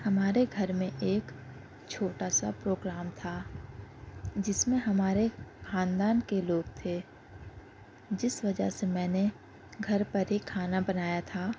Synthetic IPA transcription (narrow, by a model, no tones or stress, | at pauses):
hɐmaːɾeɡʱɐɾmẽʔeːk | t͡ʃʰoːʈaːsa̰pɾoːɡɾaːmt̪ʰa | d͡ʒɪsmẽɦɐmaːɾexʰãːnd̪aːnkeloːɡt̪ʰe | d͡ʒɪsʋɐd͡ʒə̰semɛ̃ːne | ɡʱɐɾpɐɾɦikʰaːnabɐnaːjat̪ʰaː